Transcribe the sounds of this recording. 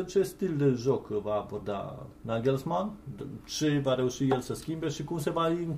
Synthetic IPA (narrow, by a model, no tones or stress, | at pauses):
t͡ʃe̞st̪ild̪eʒo̞kvaːbord̪a̰naɡʲelsmant͡ʃe̞vaɾe̞uʃijelsəskʲimbe̞ʃikumse̞vaiŋ